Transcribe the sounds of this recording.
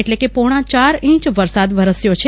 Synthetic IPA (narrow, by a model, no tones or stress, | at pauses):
eʈlekepoɽ̃ãt͡ʃaɾĩt͡ʃʋəɾsad̪ʋəɾəsjot͡ʃʰe